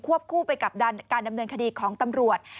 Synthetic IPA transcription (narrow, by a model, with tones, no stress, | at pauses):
kʰu˥˩əp̚kʰuː˥˩pa˧jka˨˩p̚da˧nkaː˧nda˧mnɤː˧nkʰa˧diː˧kʰɔː˩˦ŋt̪a˧mɾu˨˩ət̪̚